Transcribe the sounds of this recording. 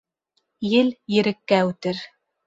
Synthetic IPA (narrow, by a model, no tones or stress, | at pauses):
jɘljɘ̆ɾɘ̆kːæʉt̪ɘɾ